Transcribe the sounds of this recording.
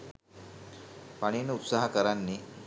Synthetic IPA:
paɽ̃inupsaɦakəɾanːi

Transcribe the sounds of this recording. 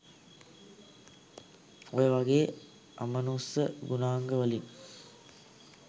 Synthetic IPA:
ojəʋɐɡeː | ʔɐ̰mənuːsəɡunaːŋɡəʋəliŋ

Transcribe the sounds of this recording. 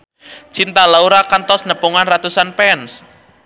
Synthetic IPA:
t͡ʃint̪alauɾakant̪ɔsnəpuŋanrat̪usanpɛns

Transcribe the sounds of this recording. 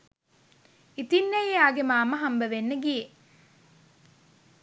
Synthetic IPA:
it̪inːejaːɡemaːməɦambəʋenːəɡije

